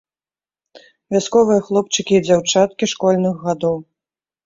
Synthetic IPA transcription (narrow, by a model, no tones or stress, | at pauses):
vʲaskɔvɨjɐxlˠɔp̚t͡ʂɨkʲid͡zʲawt͡ʂat̪̚kʲiʂkɔlʲnɨxɣad̪ɔw